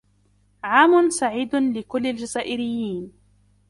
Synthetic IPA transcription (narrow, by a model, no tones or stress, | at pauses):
ʕaːmʊnsaʕiːd̪lɪkʊlːald͡ʒazaːʔɪɾɪjːiːn